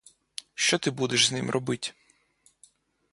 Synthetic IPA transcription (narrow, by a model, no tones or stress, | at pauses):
ʃt͡ʃɔt̪ɪbud̪eʃznɪmrʔɔbɪtʲ